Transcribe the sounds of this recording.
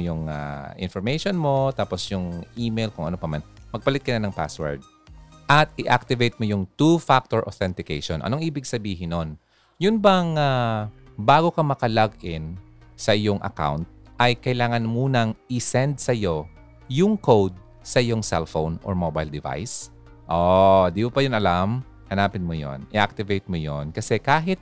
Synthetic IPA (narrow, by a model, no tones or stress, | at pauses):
jʊŋa̰ʔɪ̰nfɔɹmejʃonmo̞t̪aːposjʊŋʔiːmejlkʊŋʔɐ̰nopɐmanmɐɡ̚pɐlɪt̪̚kɐnanɐŋpa̰swɛ̰ɹd̪̚ | ʔɐt̪̚ɪʔak̚t̪ɪvejt̪̚mojʊŋt̪ufak̚t̪oɹʔoθɛnt̪ɪkɛ̰jʃonʔɐ̰noŋʔiːbɪɡsɐbiːɦɪnon | jʊnbɐŋa | baːɡo̞kɐmɐkɐlaɡʔɪn | sɐʔɪjo̞ŋʔɐ̰ka̰wnt̪̚ʔɐjkɐʔɪlaːŋɐnmuːnɐŋʔɪsɛnd̪̚sɐjo̞ | jʊŋkowd̪̚ | sɐʔɪjo̞ŋsɛ̰lfo̰wnɔ̰ɹmobɐjld̪ɪva̰js | ʔod̪imopɐjʊnʔɐlam | hɐnaːpɪnmojo̰nɪ̰ʔa̰k̚t̪ɪvejt̪̚mojonkɐsɛkaːɦɪt̪̚